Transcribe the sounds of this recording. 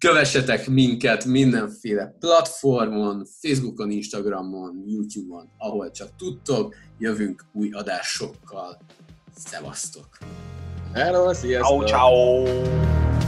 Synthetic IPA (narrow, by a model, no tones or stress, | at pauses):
kø̞vɛʃːɛt̪ɛkmiŋkɛt̪mind̪ɛɱfeːlɛplɒt̪fo̞rmo̞nfeːzbuko̞ninʃt̪ɒɡrɒmːo̞njuːt̪juːbo̞nɒɦo̞lt͡ʃɒk̚t̪ut̪ːo̞kjøvyŋkuːjɒd̪aːʃo̞kːɒl | sɛ̰vɒ̰st̪o̞k | ɛɾosiɛat͡ʃaw